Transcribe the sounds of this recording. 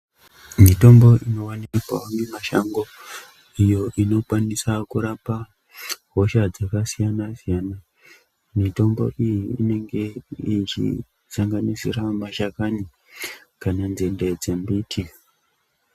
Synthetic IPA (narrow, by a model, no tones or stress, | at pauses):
mito̞mbo̞ʔino̞waniikwaamemaʃaŋɡo̞ | ijo̞ʔino̞kwanisakuɾapa | ɦo̞ʃad͡zakasijanasijana | mito̞mbo̞̰ʔijiːne̞ŋɡe̞it͡ʃḭ | saŋɡanisḭramaʃakani | kananzended͡zembiːtʰi